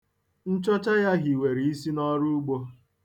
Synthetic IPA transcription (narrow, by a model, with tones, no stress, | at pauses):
n̩˦t͡ʃɔ˦t͡ʃa˦ja˦ɦi˨we˨ɾi˨i˦si˦nɔ˦ɾu˦u˦ɡ͡bo˦